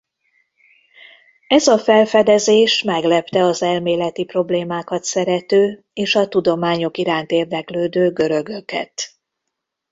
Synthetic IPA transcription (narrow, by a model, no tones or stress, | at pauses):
ɛzɒfɛlfɛd̪ɛzeːʃmɛɡlɛpt̪ɛɒzɛlmeːlɛt̪ipro̞bleːmaːkɒt̪sɛɾɛt̪øː | eːʃɒt̪ud̪o̞maːɲo̞kiɾaːnt̪eːrd̪ɛkløːd̪øːɡø̞ɾø̞ɡø̞kɛ̰t̪